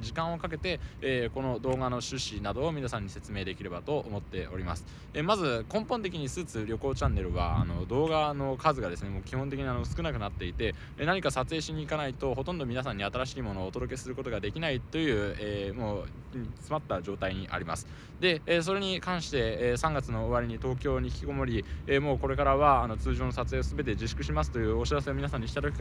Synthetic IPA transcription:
d͡ʑikãɰ̃o̞kak̬e̞t̪e̞ːko̞no̞d̪o̞ːɡano̞ɕɨɕinad̪o̞ːmʲinasãɲ̟ːise̞t͡sɨme̞ːd̪e̞kʲiɾe̞bat̪o̞ʔomo̞t̪ːe̞o̞̰ɾʲima̰sɨ̥ | emazɨkõ̞mpont̪e̞kʲiɲ̟isɨːt͡sɨɾʲjo̞ko̞ːt͡ɕãnːe̞ɾɯ̟βa̰a̰no̞d̪o̞ːɡano̞kazɨɡad̪e̞sɨne̞mo̞ːkʲihõnt̪e̞kʲiɲ̟iano̞sɨ̥kɯ̟nakɯ̟nat̪ːe̞it̪e̞ | naɲ̟ikasat͡sɨe̞ːɕiɲ̟iːkanait̪o̞ɦo̞t̪õ̞nd̪omʲinas̬ãɲ̟ːiat̪aɾaɕiːmo̞no̞ːt̪o̞d̪o̞k̬e̞sɨɾɯ̟ko̞t̪o̞ɡad̪e̞kʲinait̪o̞jɯ̟ːeːmoː | t͡sɨmat̪ːad͡ʑo̞ːt̪aiɲ̟iʔa̰ɾʲima̰sɨ̥ | d̪e̞ːs̬o̞ɾe̞ɲ̟ikãɰ̃ɕi̥t̪e̞sãŋɡat͡sɨno̞ːβaɾʲiɲ̟it̪o̞ːkʲo̞ːɲ̟içʲkʲiɡo̞mo̞ɾʲiemo̞ːko̞ɾe̞kaɾaβaːno̞t͡sɨːʑo̞ːno̞sat͡sɨe̞ːosɨbe̞t̪̬e̞d͡ʑiɕi̥kɯ̟ɕ̬imasɨ̥t̪o̞jɯ̟ːo̞ɕiɾase̞ominasãɲ̟ːiɕi̥t̪at̪o̞kʲi̥

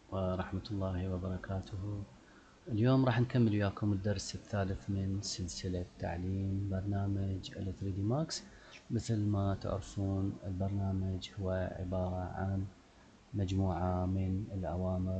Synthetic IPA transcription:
wɪɾˤɑħmat̪lˤːɑːhiwɪbɑɾˤɑkʰaːt̪ʰʊh | ʔɪljoːmɾˤɑːħnkamːɪlɪjaːkʊmɪd̪ːɑɾˤsɪθːaːlɪθmɪnsɪlsɪlat̪ːa̰ʕliːmbɑɾˤnaːmad͡ʒɪ̰lːɪθɾiːd̪iːmaːks | mɪθlmat̪ɪ̰ʕɾɪfuːnɪlbɑɾˤnaːmad͡ʒhʊwːaʕɪ̰bɑːɾˤɑʕa̰n | mad͡ʒmuːʕamɪnɪlʔawaːmɪɾ

